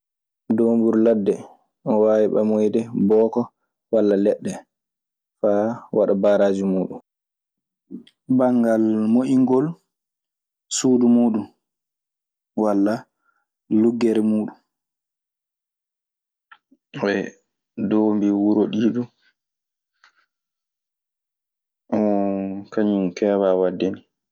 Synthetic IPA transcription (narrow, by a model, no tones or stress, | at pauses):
doːmbuɾladːɛ | ʔɔwaːwiɓamɔjdɛbɔːkɔ | walːalɛɗːɛ | fawa̰ɗabaːɾaːd͡ʒimuːɗṵm | baŋɡalmoʔiŋɡɔl | suːdumuːɗum | walːa | luɡːɛɾɛmuːɗum | wɛ | dɔmbiwuɾoɗiːɗu | ʔɔkaɲumkɛːwawadːeni